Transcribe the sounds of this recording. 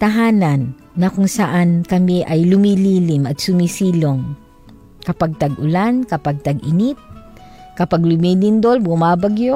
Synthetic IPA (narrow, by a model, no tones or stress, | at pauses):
t̪aɦaːnanː | ɐkʊŋsaʔankɐmiʔajlʊmiliːlɪmɐt̪sʊmisiːloŋ | kɐpaɡ̚t̪aɡʊlankɐpaɡ̚t̪aɡɪnit̪̚ | kɐpaɡlʊmilind̪olbʊmaːbaɡjo